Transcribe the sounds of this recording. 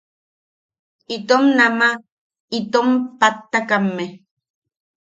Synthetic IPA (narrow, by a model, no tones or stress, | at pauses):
it̪omnama | it̪ompat̪ːakamːe